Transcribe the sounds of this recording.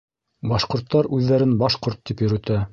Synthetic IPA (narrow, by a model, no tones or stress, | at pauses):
bɑʃqŏɾt̪ːɑɾʉðːæɾɘnbɑʃqoɾt̪ːipjɵ̆ɾɵ̆t̪æ